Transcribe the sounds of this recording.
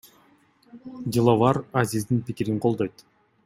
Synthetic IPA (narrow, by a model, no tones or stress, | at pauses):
dʲilˠavɑɾazizd̪inpikiɾiɴqʰo̞lˠd̪o̞jt̪